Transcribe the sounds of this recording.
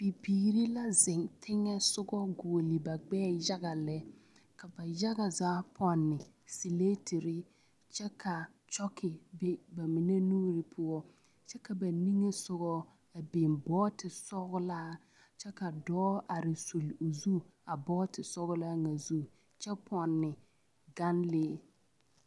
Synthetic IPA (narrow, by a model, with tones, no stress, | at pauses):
b̥i˨piː˨ɾi˦la˦zɪ˨ŋtʰɪ˦ŋɛ˦sʊ˦ɡɔ˦ɡo˨o˨lɪ˨ba˨ɡ͡bɛː˦ja˦ɣa˨lɛ˦ | ka˨ba˨ja˦ɡa˨zaː˨˦pʰɔ˦nːɪ˨ | si˨le˦tʰɪ˨ɾɪ˦ | t͡ʃɛ˦kʰa˨ | t͡ʃɔ˦kʰɪ˨be˦ba˨mɪ˨ne˦nuː˦ɾɪ˨pʰʊ˦ɔ˦ | t͡ʃɛ˦ka˨ba˨ni˦ŋe˦sʊ˦ɣɔ˦ | a˨bɪ˨mbɔː˦tɪ˨sɔ˦ɣʊ˦laː˦ | t͡ʃɛ˦ka˨dɔː˦a˨ɾɪ˨su˨lo˨zu˦a˨bɔː˦tɪ˨sɔ˦ɣʊ˦la˦ŋa˨zu˦ | t͡ʃɛ˦pʰɔ˨nːɪ˨ | ɡa˦nleː˦